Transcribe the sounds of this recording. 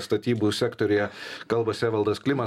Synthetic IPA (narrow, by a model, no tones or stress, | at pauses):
st̪ɐt̪ʲiːbuːsʲækt̪ɔɾʲʊjɛkɐlˠbɐsʲæːʋɐlˠd̪ɐsklʲɪmɐ